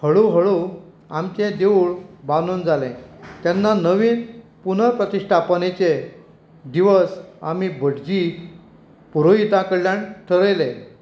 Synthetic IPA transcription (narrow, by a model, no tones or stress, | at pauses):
həɭuɦəɭu | amt͡ɕẽd̪euɭbanond͡zalɛ̰̃t̪janːanəʋiːnpun̤əɾpɾət̪iʂʈʰapənet͡ɕe | d̪iʋəsa̰mibʱəɽd͡ʑi | puɾoɦit̪akəɾljaɳʈʰəɾejlẽ